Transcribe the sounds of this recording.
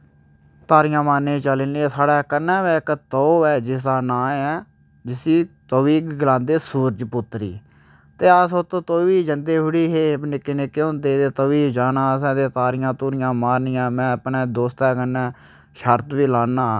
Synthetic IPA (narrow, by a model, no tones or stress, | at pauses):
t̪aːɾɪjãːmaːɾnẽːt͡ʃəlɪniɛ̃saːɽɛːkənːɛ̃ːʋɛːkt̪oːɛːd͡ʒɪsaːnãːɛː | d͡ʒɪsiːt̪oʋiːɡɡɪlãːnd̪eːsuːɾd͡ʒpʊt̪ːɾḭː | t̪eːəsot̪oːt̪oːʋiːd͡ʒənd̪eːɦʊɽiːɦeːbnɪkːeːnɪkːeːõːnd̪eːt̪eːt̪oʋiːd͡ʒaːnãːəs̬ɛ̃ːt̪eːt̪aːɾɪjãːt̪uːɾɪjãːmaːɾnɪːãːmɛ̃ːəpnɛ̃ːd̪oːst̪ɛːkənːɛː | ʃəɾt̪ʋiːlaːnaː